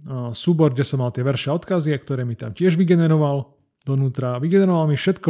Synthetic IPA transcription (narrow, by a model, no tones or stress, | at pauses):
suːbɔɾɡɟɛsɔmalt̪ɪɛʋɛɾʃaɔt̪kaziakt̪ɔɾɛːmit̪a̰mcɪɛʒʋiɡɛnɛɾɔʋal | d̪̥ɔnuːt̪ɾaʋiɡɛnɛɾɔʋalmifʃɛt̪kɔ